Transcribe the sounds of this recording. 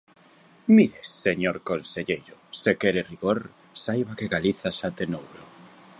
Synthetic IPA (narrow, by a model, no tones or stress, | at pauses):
miɾesːeɲoɾkonseʎejɾʊsekeɾeriɣoɾ | sajβakeɣaliθasat̪enowɾo